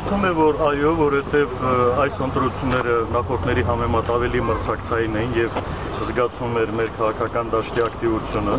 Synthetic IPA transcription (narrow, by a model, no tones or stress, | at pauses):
t̪ʰumɛvɔɾɑjɔvɔɾhɛt̪ɛvɑjsənt̪ɾut͡sʰjunːɛɾənɑχɔɾt̪ʰnɛɾiɦɑmɛmɑt̪ɑvɛliməɾt͡sʰɑkt͡sʰɑjinɛjnjɛv | zɡɑt͡sʰumɛɾmɛɾkʰɑʁɑkʰɑkɑnd̪ɑʃt̪iɑkt̪ivut͡sʰjunə